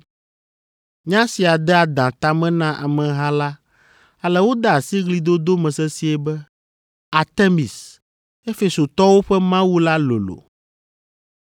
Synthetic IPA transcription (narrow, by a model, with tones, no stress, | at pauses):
ɲã˦si˨a˨d̪ɛ˦a˨d̪ã˨t̪a˨mɛ̃˦nã˦ʔa̰˨mɛ̃˨ɦã˦la˦ | a˨lɛ˨wo˦d̪a˨si˦ɣli˦d̪o˦d̪o˦mɛ̃˨sɛ˦si˦ɛ˦bɛ˦ | a˨t̪e˦mi˨s | e˦fe˨so˨t̪ɔ˦wo˦ɸɛ˦mã˦wu˦la˦lo̰˨lo̰˨